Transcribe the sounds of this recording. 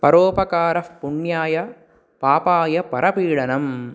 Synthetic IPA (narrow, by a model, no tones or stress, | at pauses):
pɐɾoːpɐkaːɾɐfpʊɳjaːjɐ | paːpaːjɐpɐɾʔɐpiːɭɐnɐm